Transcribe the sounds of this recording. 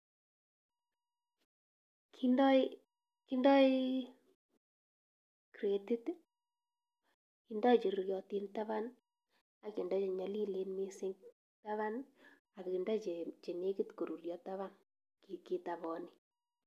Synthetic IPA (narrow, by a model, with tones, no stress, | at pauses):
kindɔ˦i | ki˦ndɔ˦i˦ | kɾe˨di˦t | ki˨ndɔ˦i˨t͡ʃe˨ɾu˨ɾjɔ˨ti˦nta˦βa˦n | a˨ke˨ndɔ˦t͡ʃe˨ɲa˨li˦le˦nmi˦sɪ˦ŋ | ta˦βa˦n | a˨ki˨ndɔ˦t͡ʃe˨t͡ʃe˨ne˦kɪ˦tko˨ɾu˨rjɔ˨ta˦βa˦n | ki˨ki˦ta˨βɔ˨ni˦